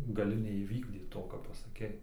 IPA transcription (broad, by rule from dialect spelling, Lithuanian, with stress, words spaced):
ɡɐˈlʲɪ nʲɛiːˈʋʲiːɡdʲiːt ˈtoː kɑː pɐsɐˈkʲɛɪ